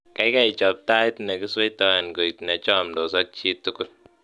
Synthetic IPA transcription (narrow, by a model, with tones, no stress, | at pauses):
ka˨˦jka˦i˨t͡ʃɔ˨p̚ta˦i˦ti˦ne˨ki˦se˦i˦tɔ˦ɛ˨n˨ko˨i˨ti˨na˨t͡ʃɔ˦˨mdɔ˨s̬ɔ˦k̚t͡ʃi˦ttːu˦ku˦l